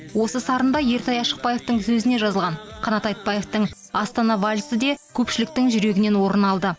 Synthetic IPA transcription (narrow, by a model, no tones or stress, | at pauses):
wo̞səsɑɾənd̪ɑje̞ɾt̪ʰɑjɑʃə̥q̚pɑje̞ft̪əŋsɵzɪne̞ʒɑzəlˠʁɑnqʰɑnɑt̪ɑjt̪̚pɑje̞ft̪əɴ | ɑst̪ɑnɑvɑlʲsəd̪e̞kʲʰɵpʃɪlɪk̚t̪ɪŋʒʏɾe̞ɡʲɪne̞nwo̞ɾənɑlˠd̪ə